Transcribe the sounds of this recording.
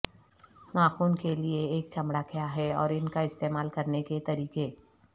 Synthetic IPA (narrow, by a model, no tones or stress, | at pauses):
nãːxuːnkelieeːkt͡ʃɐmɽakʰɪjaɦɛɔ̰ːɾɪnkaɪst̪eːmaːlkɐɾneket̪ɐɾiːkeː